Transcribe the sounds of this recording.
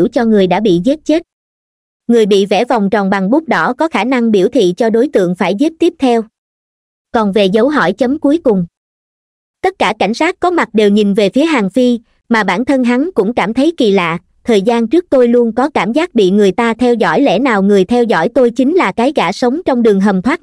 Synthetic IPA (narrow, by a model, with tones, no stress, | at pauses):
wt͡ɕɔ˧ŋɨ˨˩əjɗa̰ː˧˥ɓḭ˧˨ze˦˥t̚t͡ɕe˦˥t̚ | ŋɨ˨˩əjɓḭ˧˨vɛ̰˧˩va˨˩wŋ͡mt͡ɕɔ˨˩wŋ͡mɓa˨˩ŋɓʊ˦˥k͡p̚ɗɔ˨˦kɔ˨˦xaː˧˩na˧ŋɓi˧˩əwt̪ʰḭ˧˨t͡ɕɔ˧ɗo˨˦jt̪ɨ̰˧˨əŋfaː˧˩jzi˦˥p̚t̪i˦˥p̚t̪ʰɛ˧w | kɔ˨˩nve˨˩zə˨˦wɦɔ̰˧˩jt͡ɕə˨˦mku˨˦əjkʊ˨˩ŋ͡m | t̪ə˦˥t̚kːaː˧˩ka˧˩jŋ̟saː˦˥t̚kɔ˨˦ma˨˩t̚ɗe˨˩wɲi˨˩nve˨˩fi˨˦əɦaː˨˩ŋfi˧ | maː˨˩ɓaː˧˩nt̪ʰə˧nɦa˨˦nkʊ̰˧˥ŋ͡mkaː˧˩mt̪ʰə˨˦jki˨˩la̰ː˧˨ʔ | t̪ʰəː˨˩jzaː˧nt͡ɕɨ˦˥ək̚t̪o˧jlu˧ənkɔ˨˦kaː˧˩mzaː˦˥t̚ɓḭ˧˨ŋɨ˨˩əjt̪aː˧t̪ʰɛ˧wzɔ̰˧˩jlɛ̰˧˥naː˨˩wŋɨ˨˩əjt̪ʰɛ˧wzɔ̰˧˥˩jt̪o˧jt͡ɕï˨˦ŋ̟laː˨˩kaː˨˦jɣaː˧˩sə˨˦wŋ͡mt͡ɕɔ˧wŋ͡mɗɨ˨˩əŋɦə˨˩mt̪ʰwaː˦˥t̚